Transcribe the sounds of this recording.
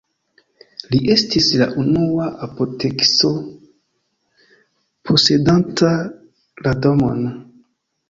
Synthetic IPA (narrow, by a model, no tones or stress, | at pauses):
liʔe̞stisla̰ʔunuaʔapotʰe̞kso̞ | pʰo̞se̞danta | ladomo̰n